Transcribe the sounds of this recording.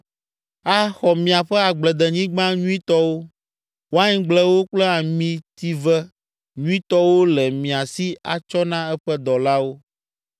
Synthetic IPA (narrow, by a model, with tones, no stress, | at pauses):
a˦xɔ˨mĩ˨a˨ɸɛ˦a˨ɡ͡blɛ˨d̪ɛ˨ɲĩ˦ɡ͡bã˦ɲũ˦ĩ˦t̪ɔ˦wo˦ | wo˦a˦ɲĩ˦ɡ͡blɛ˦wo˦k͡plɛ˦a˨mĩ˨t̪i˦vɛ˦ | ɲũ˦ĩ˦t̪ɔ˦wo˦lɛ˨mĩ˨a˨si˦a̰˨t͡ʃɔ˦nã˦ɛ˦ɸɛ˦d̪ɔ˨la˦wo˦